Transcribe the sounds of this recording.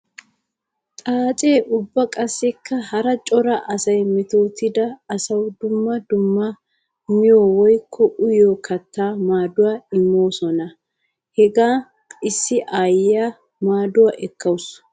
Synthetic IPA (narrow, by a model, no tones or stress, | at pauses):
t̪ʼaːt͡ʃʼe̞ːʔʊbːɐkʼɐsːɛkʰːɐhɐɾɐt͡ʃʼɔɾɐʔɐsɐjmɪt̪oːt̪ɪd̪ɐːsɐwd̪ʊmːɐd̪ʊmːɐ | mɪjoːwɔjkʰːɔʔʊjoːkʰɐt̪ːaːmaːd̪ʊwaːɪmːo̞ːsɔnɐ | hɛɡaː | ɪsːɪʔaːjja | maːd̪ʊwaʔɛkːɐwʊs